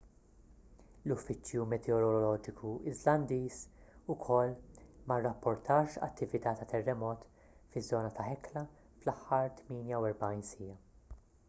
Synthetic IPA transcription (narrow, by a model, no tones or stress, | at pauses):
lʊfːɪt͡ʃːjumɛt̪ʰɛɔɾɔlɔlɔːd͡ʒɪkʰuɪzlɐnd̪iːsʊkʰɔlːmɐrːɐpːɔɾt̪ʰɐːʃɐ̰t̪ʰːɪvɪt̪ɐːt̪ɐt̪ʰɛrːɛmɔːt̪ | fɪzːɔːnɐt̪ʰɐħɛklɐ | flɐħːɐɾt̪miːnjɐwɛɾbɐjnsiːɐ